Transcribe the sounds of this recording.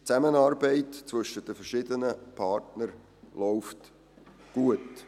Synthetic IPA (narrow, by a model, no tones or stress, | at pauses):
t͡sæmənɑːɾbɛɪtt͡svɵʃətd̥əfərʃɪdənəpʰɑːrtnəɾ | lɔʊft | ɡ̥uət